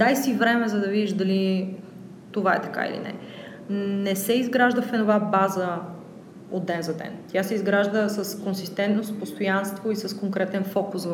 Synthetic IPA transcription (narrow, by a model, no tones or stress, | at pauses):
d̪ajsivɾɛmɛzɐd̪ɐvid̪iʒd̪ɐli | t̪ovaɛ̰t̪ɐ̥ka̰ḭlḭnɛ̰ | nɛsɛizɡɾaʒd̪əfɛnovabazə | od̪ːɛnzɐd̪ɛ̰nt̪ʲjasɛizɡɾaʒd̪əsəskonsist̪ɛnt̪nost̪post̪ojanst̪voisɐskoŋkɾɛt̪ɛnfɔkʊs